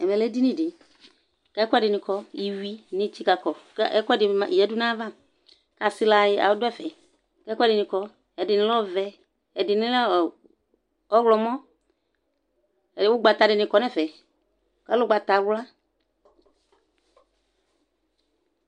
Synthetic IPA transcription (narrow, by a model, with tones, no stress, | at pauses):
ɛ˨mɛ̃˨lɛ˦di˦nĩ˦˨dɪ˨ | ka˦kɔ˦ɛ˦˨dɪ˨nɪ̃˨kɔ˦i˨wi˦nɪ̃˨t͡ʃi˦ka˨kɔ˨˦ɛ˦kɔ˦dɪ˨ma˨i˨ɛ˦du˦nã˦va˦ | ka˨sɪ˦la˨jɪ˦a̰˨wʊ˦dɛ˦˨fɛ˨ | ka˨˦kɛ˦dɪ˨nɪ̃˨kɔ˨ | ɛ˨dɪ˨nɪ̃˦lɔ˦˨vɛ˨ | ɛ˨dɪ˨nɪ̃˦l | ɔ˦ɣlɔ˨mɔ̃˦˨ | wʊ˦ɡ͡ba˨t̪a˨dɪ˨nɪ̃˨kɔ˨˦nɛ˦˨fɛ˨ | ka˨˦lʊ˦ɡ͡ba˨t̪a˨wla˦